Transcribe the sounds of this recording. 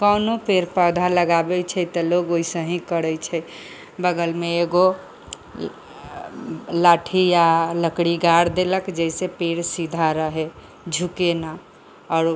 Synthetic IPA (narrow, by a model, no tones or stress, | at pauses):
kənopeɾpəd̪ʱaləɡabɛt͡ʃʰɛt̪əloɡoisəɦĩkəɽət͡ʃʰɛ | bəɡəlmeeɡo | laʈʰijaləkɽiɡaɽd̪eləkd͡ʒəsepeɽsid̪ʱaɾəɦe | d͡ʒʱukena | ɔːɾ